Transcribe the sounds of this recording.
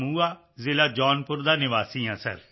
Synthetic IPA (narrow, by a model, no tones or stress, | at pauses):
muːaː | zɪlaːd͡ʒɔːnpʊɾd̪aːnɪʋaːsiːãːsə̰ɾ